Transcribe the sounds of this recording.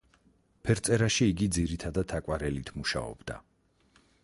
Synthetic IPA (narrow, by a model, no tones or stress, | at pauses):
pʰɛɾt̪sʼɛɾaʃiːɡid̪ziɾit̪ʰad̪ad̪ʰakʼwaɾɛlit̪ʰmuʃa̰ɔ̰bd̪a̰